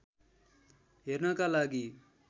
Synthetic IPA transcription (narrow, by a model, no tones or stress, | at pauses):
ɦernakalaɡi